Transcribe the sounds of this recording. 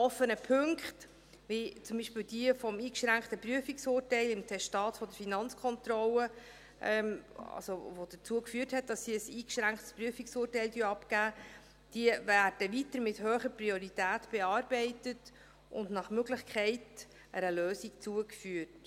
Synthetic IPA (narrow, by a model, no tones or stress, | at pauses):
ɔfːənəpʰɵŋkχt | ʋit͡sʊmbiʃpəld̥iəfɔmiːkʃɾæŋktəpryəfiksʊːrtɛɪlɪmtʰɛʃtɑːtfɔdəɾfinɑnt͡skʰχɔnt̪ɾɔlə | ʔɛmɑ̰lsoʋod̥ət͡suəkfyːərthɛt̚d̥ɑsːiəsiːkʃɾæŋkχtspɾyəfiksʊːrtɛɪldyːɑpkæː | d̥iəvæːɾd̥əvitəɾmɪthøːχəɾprioɾitæːtb̥ɛɑːɾbɛɪtət | ʊ̰ndnɑχmøɡlɪχkʰχɛɪt | ʔəɾəløːsikt͡suəkfyərt